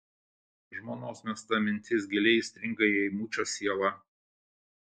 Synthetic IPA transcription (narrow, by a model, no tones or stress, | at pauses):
ʒmoːnoːsmʲɛst̪ɐmʲɪnʲt̪ʲɪs̬ɡʲɛlʲɛɪsʲt̪ʲɾʲɪŋkɐjɛmuːt͡ʃʲoːsʲiɛlˠɐ